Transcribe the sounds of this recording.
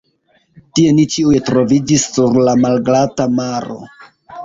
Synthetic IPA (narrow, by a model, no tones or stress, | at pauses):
tie̞nit͡ʃiujetɾo̞vid͡ʒisːuɾlamalɡlatamaɾo̞̰